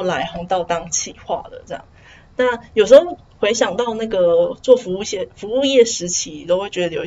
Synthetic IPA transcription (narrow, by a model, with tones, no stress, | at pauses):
la˧˥ɪxo˧˥ŋt̪ɑ˥˧ʊt̪ɑ˥˧ŋt͡ɕʰi˥˩xwa̰˥˩d̪ə̰˩ʈ͡ʂɤ˥˧jɑ̰˥˩ | na˥˩jo˨˩ʊʂ̬̩˧˥xo˥˩ʊ | xwe˧˥ɪɕjɑ˨˩ŋt̪ɑ˥˧ʊna˥˩ɡə˩t͡swɔ˥˩fu˧˥u˥˧ɕjɛ˥˩fu˧˥u˥˧jɛ˥˩ʂɻ̩˧˥t͡ɕʰi˨˥˨t̪o˥ʊxwe˥˩ɪt͡ɕɥɛ˧˥d̪ə˧jo˨˩˧